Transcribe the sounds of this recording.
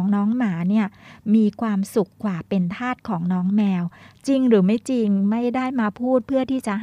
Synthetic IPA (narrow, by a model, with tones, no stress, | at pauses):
ŋnɔː˦˥ŋmaː˩˦niː˥˩ɐmiː˧kʰwaː˧msu˨˩kʰːwaː˨˩pe˧nt̪ʰaː˥˩t̪̚kʰɔː˩˦ŋnɔː˦˥ŋmɛː˧wt͡ɕi˧ŋɾɯː˩˦ma˥˩jt͡ɕi˧ŋma˥˩jdaː˥˩jmaː˧pʰuː˥˩t̪̚pʰɯ˥˩ɐt̪ʰiː˥˩t͡ɕa˨˩